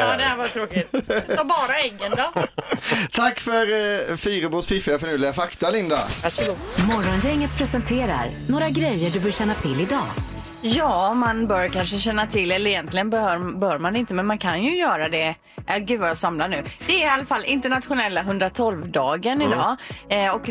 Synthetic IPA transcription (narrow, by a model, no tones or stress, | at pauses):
jɑd̪ɛhævat̪ʰɾoːkɪt̪ʰabɑːɾaɛɡːənd̪ɑː | t̪ʰakːfœɾfiːɾəbuːsfɪfɪafœɳʉːlɪɡafakt̪alɪnd̪a̰aʂmɔɾɔnjɛŋːət̪̚pʰɾɛsɛnt̪ʰeːɾa̰ɾnoːɾaɡɾɛjːəɖɵbœːʂɛnːat̪ʰɪlːɪd̪ɑː | jɑːmanbœːɾkanʂəɕɛnːat̪ʰɪlːɛlːəɾɛjɛnt̪lɪɡənbɛhœːɾbœːɾmanɪnt̪əmɛnmankʰanjɵjœːɾad̪ɛ | jaɡʉ̟ːd̪vajaːsamlaɳʉ̟ːd̪̥ɛɾɪalːafalːɪnt̪əɳat̪ɧʊnɛlːaɦɵnd̪ɾat̪ʰɔlvd̪ɑːɡənɪd̪ɑːɔk